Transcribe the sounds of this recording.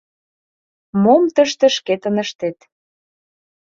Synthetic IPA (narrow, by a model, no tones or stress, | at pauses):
momt̪ə̆ʃt̪ə̆ʃket̪ə̆nəʃt̪et̪